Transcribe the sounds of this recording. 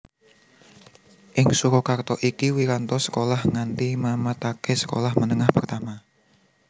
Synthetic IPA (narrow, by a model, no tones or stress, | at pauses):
ʔɪŋsuɾɔkart̪ɔʔikiwiɾant̪ɔsə̥kolahŋant̪imamat̪akɛsə̥ko̰lahmənəŋahpərt̪ama